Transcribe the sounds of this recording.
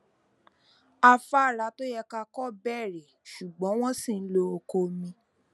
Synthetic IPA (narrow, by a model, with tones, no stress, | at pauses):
a˧fa˦˨ɾa˨˦to˦jɛ˧ka˧kɔ˦bɛ˦˨ɾe˨ʃu˨ɡ͡bɔ̃˨˦w̃ɔ̃˦sĩ˦˨n̩˦lo˧o˧ko˧mĩ˧